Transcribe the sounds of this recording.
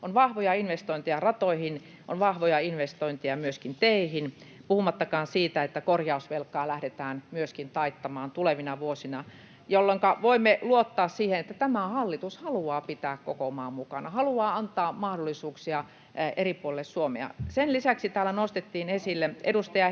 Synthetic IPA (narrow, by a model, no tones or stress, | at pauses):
onʋɑhʋojɑinʋest̪oint̪ejɑrɑt̪oihin | ʔo̰nʋɑhʋojɑinʋest̪oint̪ijɑmyøskint̪eihinpuhumɑt̪ːɑkɑːnsiːt̪æet̪ːækorjɑusʋelkːɑːlæhdet̪æːnmyøskint̪ɑit̪ːɑmɑːnt̪uleʋinɑʋuosinɑ | jolːoŋkɑʋoimːeluot̪ːɑːssiːhenet̪ːæt̪æmæhɑlːit̪ushɑluɑːpit̪æːkkokomɑːmmukɑnɑhɑluɑːɑnt̪ˑɑːmɑhdolːisuːksiɑ | ʔeripuolelːessuomḛɑ̰senlisæksit̪æːlːˑænost̪et̪ːiːnesilːeedust̪ɑjɑ